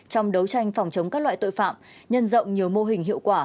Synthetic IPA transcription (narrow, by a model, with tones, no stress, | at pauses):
t͡ɕɔ˧wŋ͡mɗə˨˦wt͡ɕa˧jŋ̟fɔ˨˩wŋ͡mt͡ɕə˨˦wŋ͡mkaː˦˥k̚la̰ː˧˨jt̪o̰˧˨jfa̰ː˧˨mɲə˧nzə̰˧˨wŋ͡mɲi˨˩əwmo˧ɦï˨˩ŋ̟ɦḭ˧˨əwkwaː˧˩